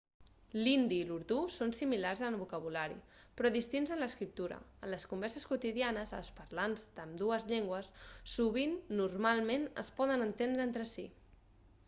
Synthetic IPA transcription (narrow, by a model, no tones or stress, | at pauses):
lind̪iːluɾt̪usonsimilarzəβukəβ̞ulaɾḭ | pɾɔðist̪inzənləskɾip̚t̪uɾə̰əːnləskumbɛɾsəskut̪iðianəzə̰lˠspəɾlanzd̪əmd̪uəzʎeŋɡwəsːuβ̞inːurmalˠmenə̰spɔðənənt̪end̪ɾəent̪ɾəsi